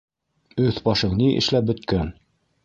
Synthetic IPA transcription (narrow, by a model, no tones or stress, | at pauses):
ɵθbɑʃɤɴniʔɘ̰̆ʃlæp̚bɵ̆t̪̚kæn